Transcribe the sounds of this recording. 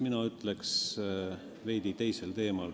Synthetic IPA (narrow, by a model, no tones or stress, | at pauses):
minɑyt̪leks | ve̞jd̪̥it̪e̞jse̞lt̪e̞ːmɑl